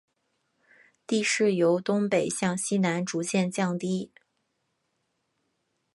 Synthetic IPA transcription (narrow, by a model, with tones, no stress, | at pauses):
t̪i˥˧ʂɻ̩˥˩jo˧˥ʊt̪ʊ˥ŋpe˨˩ɪɕjɑ˥˩ŋɕi˥na˧˥nʈ͡ʂu˧˥t͡ɕjɛ˥˧nt͡ɕjɑ˥˩ŋt̪i˥